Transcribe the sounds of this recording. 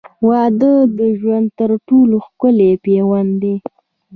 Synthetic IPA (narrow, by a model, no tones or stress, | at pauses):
wɑd̪əd̪əʒwand̪̚t̪əɾʈoloxkʊlepewand̪e